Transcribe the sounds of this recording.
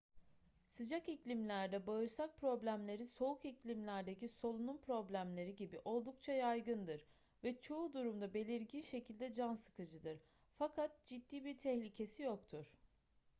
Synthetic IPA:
sɯd͡ʒakiclʲimlʲæɾd̪ɛbaɯɾsak̚pʰɾo̞blʲæmlʲe̞ɾiso̞ukiclʲimlʲæɾd̪e̞ciso̞lˠununpɾo̞blʲæmlʲe̞ɾiɟibiʔo̞lˠd̪uk̚t͡ʃʰajajɡɯnd̪ɯɾ | vɛt͡ʃʰo̞ud̪uɾumd̪abe̞lʲiɾɟinʃe̞cʰilʲd̪ɛd͡ʒansɯ̥kɯd͡ʒɯd̪ɯɾ̥ | fakʰat̪̚d͡ʒid̪ːiːbiɾt̪ʰɛçlʲicʰe̞sijo̞kt̪ʰuɾ̥

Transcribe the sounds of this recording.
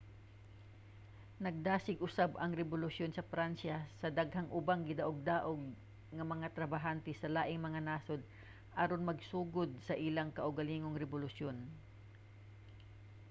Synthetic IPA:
nɐɡ̚d̪aːsɪɡʔʊsabɐŋɾɛbʊlʊsjonsɐfɾansɐsɐd̪aɡɦɐŋʔʊbaŋɡɪd̪ɐʔoɡ̚d̪aːʔoɡ̚ | ŋɐmɐŋat̪ɾɐbaɦant̪ɛsɐlaːʔɪŋmɐŋanaːsod̪̚ | ʔaɾonmɐɡsuːɡod̪̚sɐʔɪlaŋkɐʔʊɡɐliːŋoŋɾɛbʊlʊsjon

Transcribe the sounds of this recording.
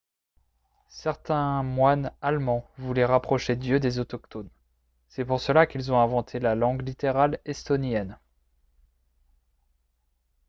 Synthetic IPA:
sɛʁt̪ɛ̃mwanalmɑ̃vulɛʁapχɔʃed̪jød̪ezɔt̪ɔkt̪on | sɛpuʁsəlakilzɔ̃ɛ̃vɑ̃t̪ʰelalɑ̃ɡlit̪eʁalɛst̪ɔnjɛn

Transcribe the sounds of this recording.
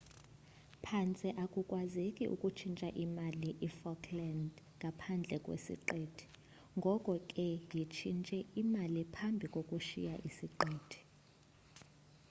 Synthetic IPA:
pʰant͡sʼiʔakʼukʼwazekʼiʔṵkʼut͡ʃʰint͡ʃʼaʔimaliʔifɔkʰland | ŋɡʱapʰand͡ɮʱɛkʼwḛsḭǃeːtʰi̥ | ŋɡʱɔkʼɔkʼɛjit͡ʃʰint͡ʃʼɛimalipʰambʱikʼokʼuʃḭjaʔisiǃeːtʰi̥

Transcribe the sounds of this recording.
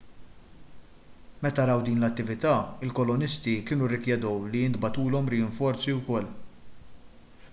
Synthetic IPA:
mɛt̪ɐɾɐwd̪iːnlɐt̪ːɪvɪt̪ɐːɪlkɔlɔnɪst̪ikɪːnurːɪkjɛd̪ɔwliɪnd̪bɐt̪uːlɔmɾɪjɪɱfɔɾt͡siwkɔlː

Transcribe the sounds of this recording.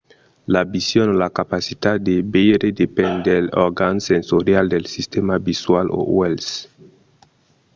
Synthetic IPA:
labisjonolakapasit̪ad̪ebeɾed̪epɛnd̪eloɾɡansensoɾjald̪elsist̪emabiswalo̰wels

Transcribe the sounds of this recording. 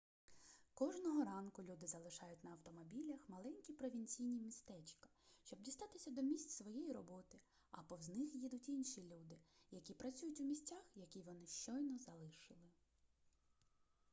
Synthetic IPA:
kɔʒnɔɦɔɾɑnkʊlʲud̪ɪzɐlˠɪʃɑjʊtʲnɐɐwt̪ɔmɔbʲilʲɐxmɐlˠɛnʲkʲipɾɔʋʲinʲt͡sʲijnʲimʲist̪ɛt͡ʃkɐ̥ʃʲt͡ʃɔb̚dʲist̪ɑt̪ɪsʲɐd̪ɔmʲisʲt͡sʲsʋɔjɛjirɔbɔt̪ɪ | ɐ̰pɔwznɪxjid̪ʊtʲinʃilʲud̪ɪjɐkʲipɾɐt͡sʲujʊtʲʊmʲisʲtʲːaxjɐkʲiʋɔnɪʃt͡ʃɔjnɔzɐlˠɪʃɪlˠɪ

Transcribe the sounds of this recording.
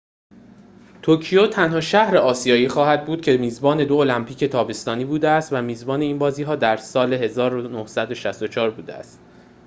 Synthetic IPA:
t̪ʰoɾcʰijot̪ʰænhɒːʃæhɾe̞ɒːsijɒːjiːxɒːhæd̪̚buːd̪̥̚cʰe̞miːzbɒːne̞d̪oolæmpʰiːcʰe̞t̪ʰɒːbe̞st̪ɒːniːbuːd̪eæst̪væmiːzbɒːne̞iːnbɒːziːɦɒːd̪æɾsɒːle̞ɦe̞zɒːɾonohsæd̪o̞ʃæst̪o̞t͡ʃʰɒːɾbuːd̪ḛæ̰st̪

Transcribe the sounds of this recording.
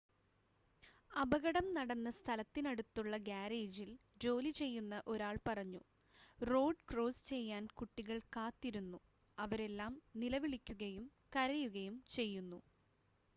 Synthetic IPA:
ɐbɐɣɐɽɐmnɐɽɐnːɐst̪ʰɐlɐt̪ːinɐɽut̪ːuɭːɐɡaːɾeːd͡ʑild͡ʑo̞ːlit͡ɕe̞jːunːɐʔo̞ɾaːɭpɐrɐɲːu | ro̞ːɖkro̞ːst͡ɕe̞jːaːnkuʈːiɣɐɭkaːt̪ːiɾunːu | ɐʋɐɾe̞lːaːmnilɐʋiɭikʲːuɣɐjumkɐɾɐjuɣɐjumt͡ɕe̞jːunːu

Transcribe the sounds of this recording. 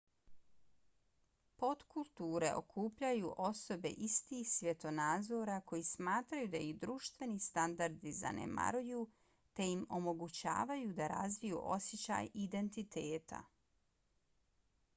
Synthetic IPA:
po̞t̪kulˠt̪uːɾe̞̰o̞̰kʰuːpʎajuʔo̞so̞be̞̰ʔist̪iːxsʋje̞t̪o̞naːd̪zoɾako̞jismaːt̪ɾajud̪aid̪ɾuːʃt̪ʋe̞nist̪and̪aɾd̪iza̰nḛma̰ɾuju | t̪e̞jimo̞mo̞ɡut͡ɕa̰ːʋajud̪aɾa̰zʋijṵʔo̞̰sjet͡ɕa̰ːjid̪e̞nt̪it̪eːt̪a̰

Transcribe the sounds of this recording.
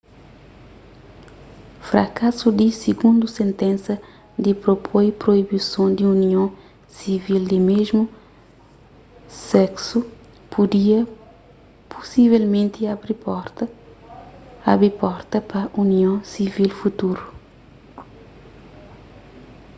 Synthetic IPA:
fɾɐ̰kasud̪isiɡũnd̪usẽnt̪ɛ̃nsɐ | d̪ipɾopʰojpɾoibisõnd̪iuniõ | sivild̪ɪmeʒmu | sɛksu | pʰud̪iɐ | pʰusivɛlmẽnt̪iabɾip | abɾipɔɾt̪ɐpɐʔuniõsivilfut̪uɾu

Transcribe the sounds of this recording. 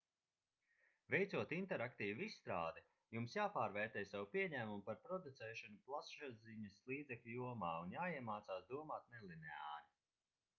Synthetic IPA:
vɛjt̪suɔt̪int̪ɛɾakt̪iːvissːt̪ɾaːd̪ɛ | jumsjaːpaːɾvɛːɾt̪ɛːjsawupʲiɛɲæːmumpaɾpɾɔd̪ut̪sɛːʃɔnuplˠasʃaziɲɐslˠiːd̪zɛklʲujuɔmaːunjaːiɛmaːt̪saːsd̪uɔmaːt̪̚nɛlˠinɛa̰ːɾi

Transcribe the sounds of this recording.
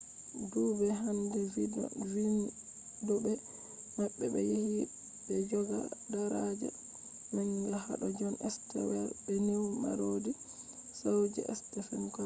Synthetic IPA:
duːbɛɦandɛvid̰vin | dɔbɛ | maɓːɛbɛjihi | bɛd͡ʒɔɡa̰daɾad͡ʒɛ̰ | maɲɡaha̰ɗɔd͡ʒɔnɛstɛ̰wɛbɛnewma̰ɾodisawd͡ʒɛ̰ɛstɛfɛnkɔ

